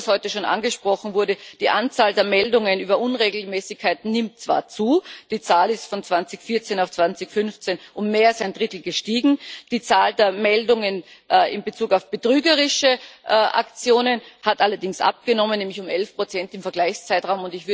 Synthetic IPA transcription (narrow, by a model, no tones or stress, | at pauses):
shɔʏtəʃoːnʔa̰nɡəʃpʁ̥ɔχn̩vʊɐdəd̥iːʔant͡saːldeːɐmɛldʊŋənyːbɐʔʊnʁeːɡl̩mɛːsɪçkʰːaɪtn̩nɪmtt͡sv̥a̰ːɐt͡suːd̥iːt͡saːlɪstfɔnt͡sv̥ant͡sɪçfɪɐt͡seːnaʊft͡sv̥ant͡sɪçfʏnft͡seːnʔʊmːeːɐasaɪndʁɪtl̩ɡəʃtiːɡŋ̩d̥iːt͡saːldeːɐmɛldʊŋənɪmbət͡suːkaʊfb̥ətʁ̥yːɡəʁɪʃəʔʔa̰kt͡sjoːnənhatʔalɐdɪŋsʔa̰p̚ɡ̥ənɔmənːɛːmlɪçʊmɛlfpʁ̥ot͡sɛntɪmfɛɐɡ̥laɪçst͡saɪtʁaʊmʊndɪçv̥ɪɐ